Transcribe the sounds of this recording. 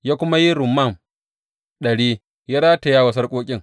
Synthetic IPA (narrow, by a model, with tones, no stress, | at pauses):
jaː˦kʷʊ˦ma˦ji˦ɾʊ˨mːa˦˨m | ɗɐ˨ɽiː˦ | ja˦ɾaː˦ta˨jaː˦wɐ˨s̬ɐ˦rkʷʼoː˦kʲʼɪ˦ŋ